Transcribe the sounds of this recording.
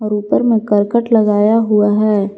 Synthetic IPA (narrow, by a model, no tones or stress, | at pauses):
ɔːɾuːpəɾmẽkəɾkəʈlɐɡaːjaɦuaɦɛː